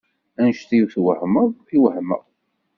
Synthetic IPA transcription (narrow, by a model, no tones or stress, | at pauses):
ænʃθijuθwəhməðˤiwhmə̰ðˤ